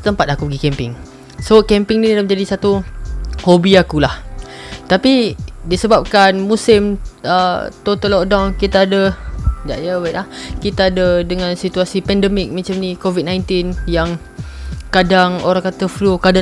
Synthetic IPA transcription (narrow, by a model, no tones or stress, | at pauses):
ət̪əmpat̪̚akupəɡikɛmpɪŋ | sokɛmpɪŋnilaməɲd͡ʒadisat̪uhobiakulaht̪apidisəbap̚kanmũsɪmət̪ot̪əlɔk̚dawnkit̪aːdəd͡ʒa̰ʔjəbaʔlahkit̪aːdədəŋãnsit̪uasipɛndəmɪk̚mə̃t͡ʃamnikovit̪̚nãjnt̪injaŋ | kadaŋoɾaŋkat̪əflukada